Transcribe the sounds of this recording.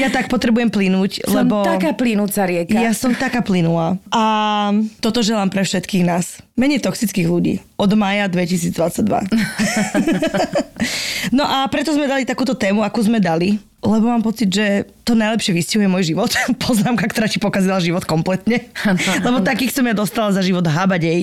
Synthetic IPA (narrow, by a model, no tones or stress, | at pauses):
jat̪ak̚pɔt̪ɾɛbujɛmplinuːclɛbɔt̪akaːplinut͡saɾɪɛkajasɔmt̪akaːplinulaːʔa | t̪ɔt̪ɔʒɛlaːmpɾɛfʃɛt̪kiːɣnaːsmɛɲɛjt̪ɔksit͡skiːɣluɟḭːʔɔd̪maːjad̪ʋɛcisiːd͡zd̪ʋat͡sːaɟ̚d̪ʋa̰ | nɔʔapɾɛt̪ɔzmɛd̪alit̪akuːt̪ɔt̪ɛːmuakuːzmɛd̪ali | lɛbɔmaːmpɔt͡sid̪ʒɛ | t̪ɔnajlɛpʃɪɛʋiscaɦujɛmɔjʒiʋɔt̪pɔznaːmkakt̪ɔɾaːcipɔkazilaʒiʋɔt̪kɔmplɛt̪ɲɛlɛbɔt̪akiːxsɔmjad̪ɔst̪alazaʒiʋɔd̪ɦabaɟɛj